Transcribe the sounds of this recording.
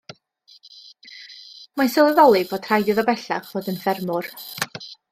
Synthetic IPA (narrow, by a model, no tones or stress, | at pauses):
masɛlˠɪvɔlˠiboːd̥ʰr̥ajdɪðabɛɬaχvoːdənfɛrmʊr